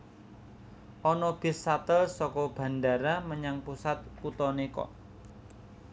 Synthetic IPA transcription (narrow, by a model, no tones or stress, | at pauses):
ʔɔnɔb̥ɪ̤sat̪əlsɔkɔb̥a̤nda̤ɾaməɲaŋpusat̪̚ut̪ɔnekɔ̰